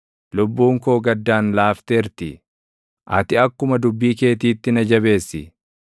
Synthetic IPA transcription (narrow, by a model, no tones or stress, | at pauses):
lʊbːuːŋko̞ːɡɐd̪ːaːnlaːft̪eːɾt̪ɪ | ʔɐ̰t̪ɪɐkːʊmɐd̪ʊbːiːke̞ːt̪̬iːt̪ːɪnɐd͡ʒɐβe̞ːsːɪ̰